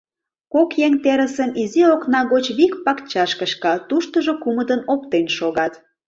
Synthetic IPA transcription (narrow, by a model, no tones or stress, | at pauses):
kokjeŋt̪eɾəsənizioknɑɣot͡ɕβikpɑkt͡ɕɑʃkəʃkɑt̪uʃt̪əʒokuməd̪ənop̚t̪enʃoɣɑt̪